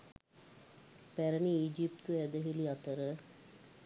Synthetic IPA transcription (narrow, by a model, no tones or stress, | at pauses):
pæɾəniiːd͡ʒip̚t̪uæd̪əɦiliat̪əɾə